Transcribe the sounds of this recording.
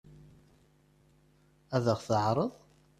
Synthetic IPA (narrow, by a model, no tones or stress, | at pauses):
æðəʁθəʕɾˤəðˤ